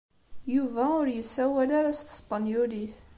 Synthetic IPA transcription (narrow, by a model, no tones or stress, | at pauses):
juvæʊɾjəsːæwælaɾæst̪ə̥sˤbənjuliθ